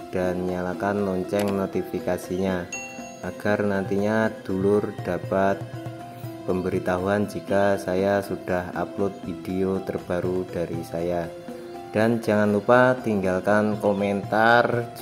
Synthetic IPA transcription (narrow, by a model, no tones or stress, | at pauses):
d̥anɲalakanlɔɲt͡ʃɛŋnot̪ifikasiɲa | ʔaɡ̥arnant̪iɲad̥ulʊrd̥apat̪̚ | pəmbəɾit̪aɦuand͡ʒikasajasud̥aha̰plʊt̪̚fideot̪ərb̥aɾud̥aɾisaja | d̥and͡ʒaŋanlupat̪iŋɡalkankoment̪ar